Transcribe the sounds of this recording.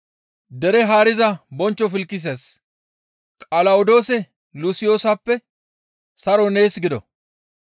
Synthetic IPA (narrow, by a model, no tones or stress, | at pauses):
d̪ɛɾɛɦaːɾɪzɐbɔnt͡ʃːɔfɪlkːɪs̬eːs | kʼɐlɐwʊd̪o̞ːsɛ | lʊsɪjo̞ːsɐpːɛ | sɐɾɔne̞ːsɡɪd̪ɔ̰